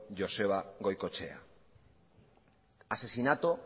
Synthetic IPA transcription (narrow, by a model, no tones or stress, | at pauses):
ʝo̞se̞βaɣo̞jko̞t͡ʃe̞̰a̰ | ase̞sinat̪o